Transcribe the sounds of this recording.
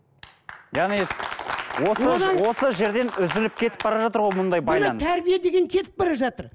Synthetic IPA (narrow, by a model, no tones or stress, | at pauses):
jɑʁnieswo̞səwo̞səʒe̞ɾd̪e̞nʏzɪlɪp̚kʲʰe̞t̪ɪpb̥ɑɾɑʒɑt̪əɾʁo̞jmʊnd̪ɑjbɑjjlˠɑnət̪sʰæɾbijed̪e̞ɡʲe̞ŋkʲʰe̞t̪ɪp̚bɑɾɑʒɑt̪əɾ